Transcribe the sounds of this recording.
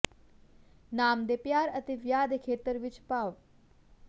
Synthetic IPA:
naːmd̪epjaːɾɐt̪eʋjaːd̪ekʰeːt̪əɾʋɪt͡ʃpaːʋ

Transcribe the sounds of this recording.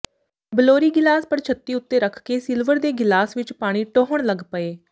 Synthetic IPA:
bəloːɾiːɡɪlaːspəɾt͡ʃʰət̪ːiːʊt̪ːeːɾəkʰkeːsɪlʋəɾd̪eːɡɪlaːsʋɪt͡ʃpaːɽ̃iːʈoːɦəɳ̃ləɡpəeː

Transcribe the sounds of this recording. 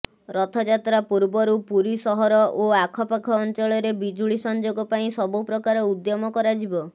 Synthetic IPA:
ɾɔt̪ʰɔd͡ʒat̪ɾapuɾbɔɾupuɾisɔɦɔɾɔʔoakʰɔpakʰɔːnt͡ʃɔɭɔɾebid͡ʒuɭisɔnd͡ʒoɡɔpaĩsɔbupɾɔkaɾɔud̪jɔmɔkɔɾad͡ʒibɔ

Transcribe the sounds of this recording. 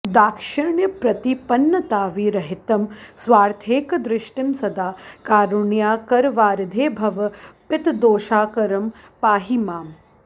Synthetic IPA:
d̪aːkʃɐɾɳjɐpɾɐt̪ipɐnːɐt̪aːʋiːɾɐɦɪt̪ɐmsʋaːɾt̪ʰeːkɐd̪ɾɪʃʈimsɐd̪aːkaːɾuɳjaːkɐɾʋaːɾd̪ʱeːbʱɐʋɐpɪt̪d̪oːʃaːkɐɾɐm | paːɦimaːm

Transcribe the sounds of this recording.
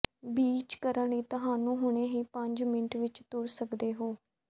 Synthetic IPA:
biːt͡ʃkəɾə̃ːliːt̪əɦaːnũːɦʊɳ̃eːɦiːpəɲd͡ʒmɪnʈʋɪt͡ʃt̪ʊɾsəkd̪eːɦoː

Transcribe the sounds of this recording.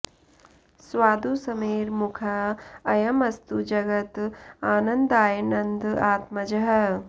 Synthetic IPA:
swaːd̪usɐmeːɾmukʰɐɐjɐmɐst̪ud͡ʒɐɡɐt̪aːnɐnd̪aːjɐnɐnd̪aːt̪mɐd͡ʒɐɦɐ

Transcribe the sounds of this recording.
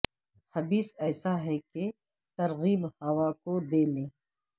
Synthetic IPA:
hɐbiːsɛːsaɦɛke | t̪ɐɾɣiːbhɐʋakod̪eːlẽː

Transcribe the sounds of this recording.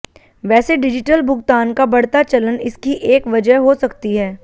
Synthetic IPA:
ʋɛːseɖɪd͡ʒɪʈəlbʱʊɡt̪aːnkabɐɽ̤t̪at͡ʃɐlənɪskiʔeːkʋɐd͡ʒəɦosɐkt̪iɦɛː

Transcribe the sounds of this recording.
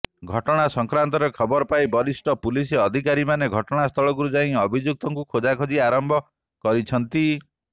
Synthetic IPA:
ɡʱɔʈɔɽ̃asɔŋkɾant̪ɔɾekʰɔbɔɾɔpaibɔɾisʈɔpuliseɔd̪ʱikaɾimaneɡʱɔʈɔɽ̃ast̪ʰɔɭɔɡuɾud͡ʒaĩɔbʱid͡ʒjuk̚t̪ɔŋkukʰod͡ʒakʰɔd͡ʒiaɾɔmbʱɔ | kɔɾit͡ʃʰɔnt̪i

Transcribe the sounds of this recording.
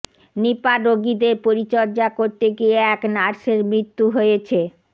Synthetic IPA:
nipaɾoɡid̪eɾpoɾit͡ɕɔɾd͡ʑakoɾt̪eɡieɛknaɾʃeɾmɾit̪ːuɦojet͡ɕʰe

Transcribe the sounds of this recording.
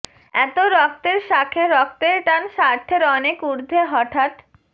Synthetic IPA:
ɛ̰t̪oɾɔk̚t̪eɾʃakʰeɾɔk̚t̪eɾʈanʃaɾʈ̪ʰeɾɔnekuɾd̪ʱeɦɔʈʰaʈ

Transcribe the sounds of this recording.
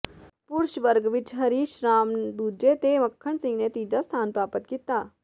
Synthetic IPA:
pʊɾʃʋəɾɡʋɪt͡ʃɦɐɾiːʃɾaːmd̪uːd͡ʒet̪emɐkʰːəɳsɪ̃ŋɡnet̪iːd͡ʒast̪ʰaːnpɾaːpət̪kit̪aː

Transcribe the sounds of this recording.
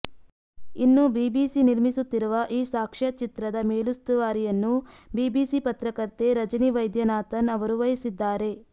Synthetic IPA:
inːubiːbiːsiniɾmisut̪ːiɾuʋɐʔiːsaːkʂɐt͡ʃit̪ɾɐd̪ɐmeːlust̪uʋaːɾijɐnːubiːbiːsipɐt̪ɾɐkɐɾt̪ːe̞ɾɐd͡ʒɐniʋɐjd̪jɐnaːt̪ɐnɐʋɐɾuʋɐjisid̪ːaːɾe̞

